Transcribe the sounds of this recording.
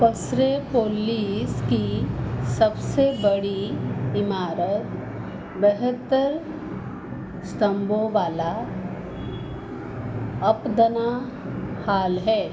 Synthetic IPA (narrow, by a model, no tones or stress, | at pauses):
pəsɾepoːliːskisɐbsebɐɽiɪmaːɾət̪ | beɦət̪ːəɾ | st̪ɐ̃mbʱõʋaːla | ɐpd̪ɐna | haːlɦɛː